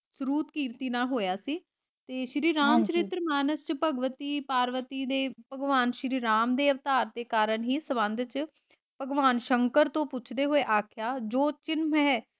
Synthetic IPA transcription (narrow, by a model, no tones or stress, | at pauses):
sɾuːt̪kiːɾt̪iːnaːlɦoːjaːsiː | t̪eːʃɾiːɾaːmt͡ʃəɾɪt̪ɾəmaːnəst͡ʃpəɡʋət̪iːpaːɾʋət̪iːd̪eːpəɡʋaːnʃɾiːɾaːmd̪eːəʋt̪aːɾd̪eːkaːɾənɦiːsəbənd̪t͡ʃ | pəɡʋaːnʃəŋkəɾt̪õːpʊt͡ʃʰd̪eːɦoːeːʔaːkʰjaːd͡ʒoːt͡ʃɪnmɦɛː